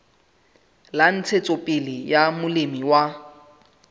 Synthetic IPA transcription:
lan̩t͡sʰet͡sʼopʼɪlɪjamʊlɪmiwa

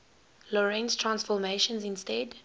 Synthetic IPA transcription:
lɔɹɛ̃nstʰɹãnsfɔmeʃə̃nzɪ̃nstɛd

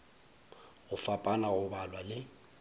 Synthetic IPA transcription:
ɣʊfapʼanaɣʊbalwalɪ

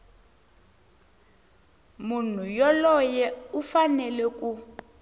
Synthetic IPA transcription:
mun̤ujɔlɔjɛufanɛlɛk̬ʼu

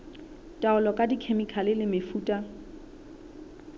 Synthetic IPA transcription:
tʼaʊlɔkʼadikʰemikʰalɪlɪmefuːtʼa

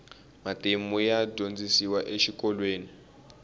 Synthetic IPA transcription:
matʼemujadʱond͡zisiwaʔeʃikɔlweːni

